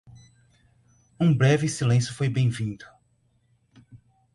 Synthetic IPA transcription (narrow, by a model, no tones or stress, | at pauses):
ũbɾɛvɪsilẽsjʊfojbẽj̃vĩnd̪ʊ